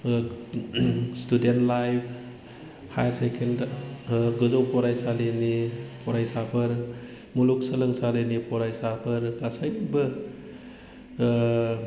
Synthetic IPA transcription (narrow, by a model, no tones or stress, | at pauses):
studentlajpʰ | ha̰jɾsekʰend | ɡɯdɔwpɔɾajsalenipʰɔɾajsabʰɯɾ | muluk̚səlɯŋsalenipʰɔɾajsabʰɯɾɡasajbɯ